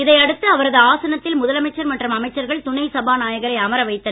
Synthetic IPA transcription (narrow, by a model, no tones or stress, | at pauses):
ɪðɐɪɐɽɯt̪ːɯɐʋɐɾɐðɯaːsɐnɐt̪ːɪlmʊðɐlɐmɐɪt͡ʃːɐɾmɐʈrɯmɐmɐɪt͡ʃːɐɾɣɐɭt̪ʊɳɐɪsɐbaːnaːjɐɣɐɾɐɪɐmɐɾɐʋɐɪt̪ːɐ